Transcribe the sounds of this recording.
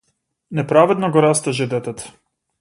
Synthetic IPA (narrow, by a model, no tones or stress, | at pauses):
nɛpɾavɛd̪nɔɡɔɾast̪aʒɛd̪ɛt̪ɛt̪ḁ